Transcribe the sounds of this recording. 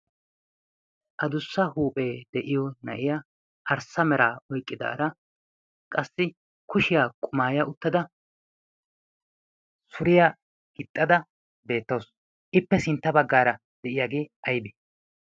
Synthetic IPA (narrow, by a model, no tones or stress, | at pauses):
ʔɐd̪ʊsːɐhuːpʼe̞ːd̪̥ɛʔɪjɔnɐʔɪja | ʔɐɾsɐmɛɾaːɔjkʼːɪd̪a̰ːɾɐ | kʼɐsːɪ | kʊʃɪjaːkʼʊmaːjɐʊt̪ːɐd̪ɐ | sʊɾɪja | ɡ̥ɪt̪ʼːɐd̪ɐ | be̞ːt̪ːɐːs | ʔɪpːɛsɪnt̪ːɐbɐɡːaːɾɐ | d̪̥ɛʔɪjaːɡeːɐjbɛ̥